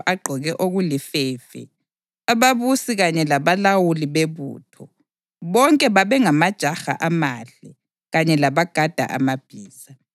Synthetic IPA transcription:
ʔaɡ͡ǃʱɔɣɛʔoɣulifɛːfɛ̰ | aβaβusiɣaɲɛlaβalawuliβeβṵːtʰɔ | βɔŋkʼɛβaβɛŋamad̥ʒ̥ʱaxa̰ʔamaɬɛ | ɣaɲɛlaβaɡ̥ʱad̥ʱa̰ʔa̰mab̥ʱiːsa

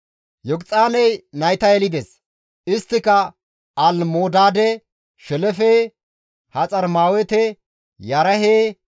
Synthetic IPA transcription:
jɔɡt͡sʼaːnɛjnɐjt̪ɐɛlɪd̪ɛs | ɪst̪ːɪkɐ | ɐlmoːd̪aːd̪ɛ | ʃɛlɛfeː | hɐt͡sʼɐɾmaːwɛt̪ɛ | jɐɾɐɦeː

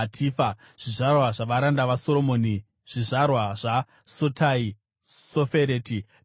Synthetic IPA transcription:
tʰifa | ʐ̥iʐarwaʐaʋaɾandaʋaso̞ɾo̞moːni | ʐ̥iʐarwaʐa | sotʰai | sofeɾeːti

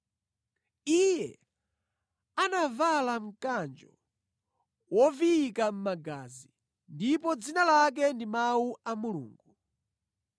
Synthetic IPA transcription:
ijɛ | anavalaŋ̩kand͡ʒɔ̰ | wɔviːkam̩maɡazi | ndipɔd͡zinalak̬ɛndimawuamulṵːŋɡu

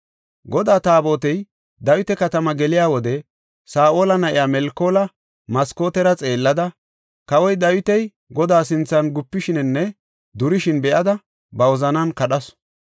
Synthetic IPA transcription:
ɡɔd̪aːt̪aːbo̞ːt̪ɛj | d̪ɐwɪt̪ɛkɐt̪ɐmɐɡɛlɪjaːwɔd̪ɛ | saːʔo̞ːlɐnɐʔɪjaːmɛlkːo̞ːlɐ | mɐsko̞ːt̪ɛɾɐt͡sʼe̞ːlːɐd̪ɐ | kɐwɔjd̪ɐwɪt̪ɛj | ɡɔd̪aːsɪnt͡sːɐnɡʊpːɪʃɪnɪnːɛ | d̪ʊɾɪʃɪnbɛʔɐd̪ɐ | bɐwɔzɐnɐnkɐɗɐs

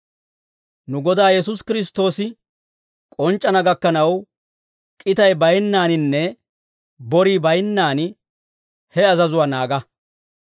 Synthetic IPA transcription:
nʊɡɔd̪aːjɛsʊskɪɾɪs̬t̪o̞ːsɪ | kʼɔnt͡ʃʼːɐnɐɡɐkːɐnɐw | kʼɪt̪ɐjbɐjnːaːnɪnːɛ | bɔɾiːbɐjnːaːnɪ | hɛɐzɐzʊwanaːɡɐ

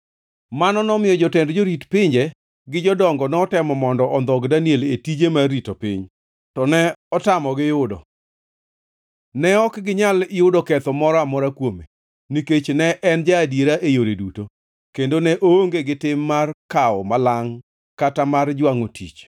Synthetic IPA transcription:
manɔnɔmɪjɔd͡ʒɔtɛndd͡ʒoɾitpɪɲd͡ʒɛ | ɡɪd͡ʒɔdɔŋɡɔnɛɔtɛmɔmɔndɔʔɔnd̪ɔɡdanieletid͡ʒemaritopɪ̰ɲ | tɔnɛɔtamɔɡɪjʊdɔ̰ | nɛɔkɡɪɲalɪjʊdɔkɛt̪ɔmɔɾɔamɔɾakwome | niket͡ʃnɛʔɛnd͡ʒaːdjeɾaʔejoɾeduto | kendonɛʔooŋɡeɡɪtɪmːarkaɔmalaŋ | katamard͡ʒwaŋotʰḭt͡ʃ

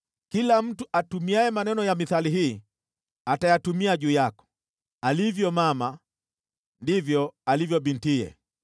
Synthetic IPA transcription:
kilam̩tuʔatumiaɛmanɛnɔjamiθaliɦiː | atajatumiaɟuːjakɔ̥ | alivjɔmama | ndivjɔalivjɔbintiɛ̰

